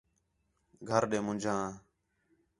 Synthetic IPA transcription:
ɡʱəɾɗẽːmʊ̃nd͡ʒʱãː

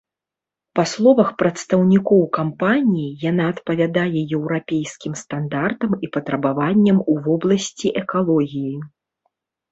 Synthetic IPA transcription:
paslˠɔvɐxpɾɐt̪st̪ɐwnʲikɔwkampanʲijijanaːt̪pɐvʲad̪ajɛjɛwɾapʲejskʲimst̪and̪art̪ɐmipɐt̪ɾɐbavanʲːɐmuvɔblˠɐsʲt͡sʲiʔɛkalˠɔɣʲiji

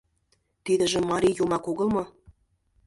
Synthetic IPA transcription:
t̪id̪ə̆ʒə̆mːɑɾʲijomɑkoɣɤ̆lˠmɤ̆

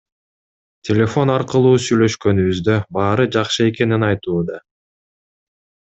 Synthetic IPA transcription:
tʲʰe̞lʲe̞fo̞nɑɾqɯlˠuːsyjlø̞ʃkø̞nyβyzd̪ø̞bɑːɾɯd͡ʒɑqʃɯe̞ke̞ninɑjt̪uːd̪ɑ

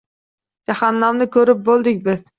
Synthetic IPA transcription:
d͡ʒahɑnːamnɪkʲʰɵɾɪp̚bolˠd̪ɪkʲbɪz̥

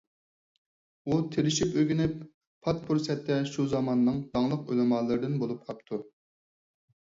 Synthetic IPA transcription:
ut̪ʰelɪʃipøɡʲinɪp | pʰɑt̪̚pʰuɾsɛt̪ʰːɛʃuzɑmɑnːɨŋd̪̥ɑŋlˠəqølɪmɑːlˠɨɾɨd̪ɨnbolˠup̚qʰɑp̚t̪ʰu

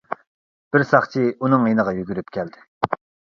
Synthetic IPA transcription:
b̥ɪɾsɑχt͡ʃʰiunɨŋjenəʁɑjyɡʲyɾyp̚kʲʰæld̪ɪ̥

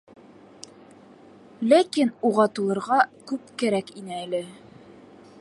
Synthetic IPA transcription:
lækinuʁɑt̪ulˠɤ̆ɾʁɑkʉp̚kæɾækinɘælɘ

